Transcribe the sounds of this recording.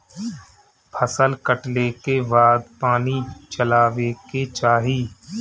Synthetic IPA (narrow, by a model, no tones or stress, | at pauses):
pʰəsəlkəʈlekebaːd̪paːnit͡ʃəlaːʋeket͡ʃaːɦiː